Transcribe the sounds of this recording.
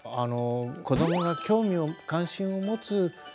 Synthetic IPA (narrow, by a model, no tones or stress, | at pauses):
anoko̞d̪o̞mo̞ɡakʲo̞ːmʲio̞kãɰ̃ɕĩɰ̃o̞mo̞t͡sɨ